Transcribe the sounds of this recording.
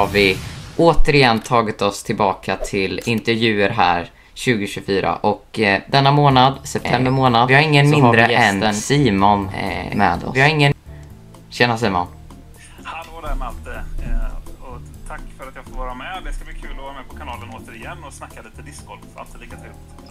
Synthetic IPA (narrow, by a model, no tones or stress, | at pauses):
haɾvɪʔoːt̪əɾɪjɛnːt̪ʰɑːɡɪt̪ɔst̪ʰɪlbɑːkʰat̪ʰɪlɪnt̪ɛɾvjʉ̟ːəɾɦæ̰ːɾ | ɕʉ̟ːɡʊɕʉfyːɾa̰ʔɔkd̪ɛnːamoːnad̪sɛp̚t̪ʰɛmbəɾmoːnad̪vɪhaɾɪŋːənmɪnad̪ɾəɛɛsnɛnsiːmɔn̰mɛ̰d̪ɔ̰vɪhaɾɪŋːən | ɕɛnːas̬iːmɔ̰n | had̪od̪æɾmalt̪ə | ɔt̪ʰakːfœɾat̪jɑːfoːɾvɑːɾamɛd̪ɛskablɪkʰʉːlɔvɑːɾamɛpʰɔkʰanɑːlənoːt̪əɾɪjɛnːɔsnakːaliːt̪əd̪ɪskʰɔla̰lt̪ɪliːkat̪ʰʏft̪